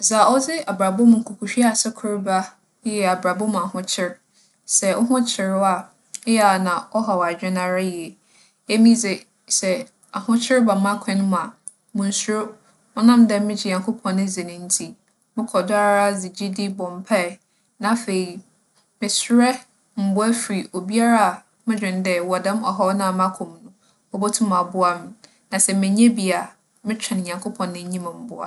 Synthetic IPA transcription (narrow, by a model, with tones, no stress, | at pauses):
za˨ɔ˦d͡zɪ˦a˨ba˨bʊ˦m˨ŋ̩˨kʰʊ˨kʰu˨ɕᶣi˦a˨sɛ˦kʰʊ˦ɾba˦ | jɛ˨a˨bɾa˨bʊ˦m˨a˨hʊ̃˦t͡ɕʰɪ˦ɾ | sɛ˨ʔɔ˦ɦʊ̃˦t͡ɕʰɪ˨ɾʊ˦a˨˦ | ja˨nã˨ɔ˦ɦɔ˨wa˨d͡ʑᶣɛ˦nã˦ɾa˦ji˨e˨ | e˦mĩ˦zɛ˨ | sɛ˨ | a˨hʊ̃˦t͡ɕʰɪ˦ɾba˨mã˦kʰɛ̃˦ñ˦m̃˨a˨ | mʊ̃˨n˨sʊ˦ɾʊ˦ | ɔ˦nã˦m˦dɛ̃˦m˦mɪ̃˦d͡ʑɪ˨ɲã˨ŋkʰʊ˦pʰɔ̃˨nːɪ̃˦zɪ˨nɪ̃˨n̩˦tʰi˦ | mɪ̃˦kʰɔ˨dʊ˦a˦ɾa˦zi˨d͡ʑi˦dɪ˦bɔ̃˨m˨pʰɛ˦˨ | nã˨˦fe˨i˨ | mɪ̃˨sɾɛ˦ | m̩˨bʊ˦æ˦fɾi˨ʔo˨bi˦a˦ɾa˦a˨ | mɪ̃˦d͡ʑᶣɪ̃˨n˦dɛ˦˨wɔ˨dɛ̃˦mɔ˨ɦɔ˦nã˦˨mã˦kʰʊ̃˨mnʊ̃˦ | ɔ˦bɔ˦tʰʊ̃˦mã˨bʊ˦a˦mɪ̃˨ | nã˨sɛ˨mɪ̃˨ɲɛ̃˦bi˨a˨ | mɪ̃˦t͡ɕᶣʰɪ̃˨n˨ɲã˨ŋkʰʊ˦pʰɔ̃˨nːɪ̃˦ɲĩ˦mɪ̃˨m̩˨bʊ˦a̰˨